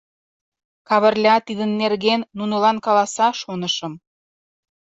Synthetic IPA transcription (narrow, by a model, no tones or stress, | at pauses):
kɑβə̆rlʲɑt̪id̪ənːerɣenːunolɑnkɑlɑsɑʃonəʃə̆m